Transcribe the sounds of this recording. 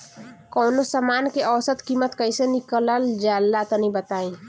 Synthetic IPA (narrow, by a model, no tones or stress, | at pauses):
kɔnosəmaːnkeʔɔwsət̪kimət̪kəisenikələld͡ʒaːlːat̪ɔnĩbət̪aːĩ